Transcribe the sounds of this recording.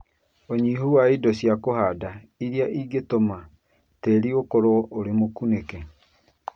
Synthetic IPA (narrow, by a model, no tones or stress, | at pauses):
oɲiɦuwaidosjakohada | iɾjaʔiɡetoma | teɾiokoɾooɾemokunekɛ